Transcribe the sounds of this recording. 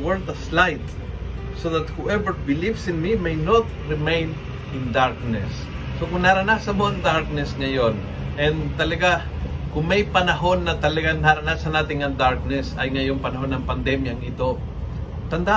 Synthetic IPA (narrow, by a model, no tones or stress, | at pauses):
wɛlt̪ɐslajt̪̚ | soðat̪̚huʔɛvəɹbɪlivsɪnmimejnot̪̚ɹɪmẽjn | ɪ̃nd̪aɹk̚nɛsː | okʊŋnaɾɐnasɐmoʔɐŋd̪aɹk̚nɛsŋɐjon | ʔɛ̃nd̪t̪ɐlɐɡa | kʊŋmɐjpɐnɐɦo̞nːɐt̪ɐlɐɡanaɾɐnasɐnaːt̪ɪŋɐŋd̪aɹk̚nɛsɐjŋɐjoŋpɐnɐɦonːɐŋpɐnd̪ɛmjaŋɪt̪o̞ | t̪ɐnd̪a